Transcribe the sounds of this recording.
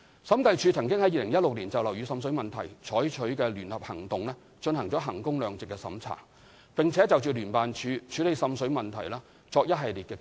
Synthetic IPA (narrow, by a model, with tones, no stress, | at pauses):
sɐ˨˥mkɐ˧jt͡ʃʰyː˧t͡sʰɐ˨˩ŋkɪ˥ŋhɐ˨˥jiː˨lɪ˨˩ŋjɐ˥t̚lʊ˨k̚liː˨˩nt͡sɐ˨wlɐ˨˩wɥyː˨˧sɐ˧msɵ˨˥ɥmɐ˨nt̪ʰɐ˨˩jt͡ʃʰɔː˨˥jt͡ʃʰɵ˨˥ɥkɛː˧lyː˨˩nhɐ˨p̚hɐ˨˩ŋt̪ʊ˨ŋlɛː˥ | t͡ʃɵ˧nhɐ˨˩ŋt͡sɔː˨˥ɦɐ˨˩ŋkʊ˥ŋlœː˨ŋt͡sɪ˨kːɛː˧sɐ̰˨˥mt͡sʰa̰ː˨˩ | pɪ˨ŋt͡sʰɛː˨˥t͡sɐ˨wt͡ʃyː˨˩lyː˨˩npaː˨nt͡ʃʰyː˨˧t͡ʃʰyː˨˥le˨˧jsɐ˨˧msɵ˨˥mɐ˨nt̪ʰɐ˨˩jlaː˥ | t͡sɔː˧k̚jɐ˥t̚ɦɐ˨jliː˨t̚kɛː˧